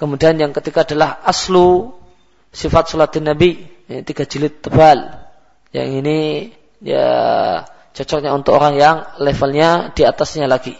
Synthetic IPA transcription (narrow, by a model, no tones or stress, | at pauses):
kəmudianjaŋkət̪ikaːdalahaslu | sifat̪̚sɔlat̪inːabint̪iɡad͡ʒilɪt̪ːəbal | ja̰ŋini | ja̰ | t͡ʃɔt͡ʃɔk̚ɲaunt̪ʊkoɾaŋjaŋlɛfalɲad̥iat̪asɲalaɡi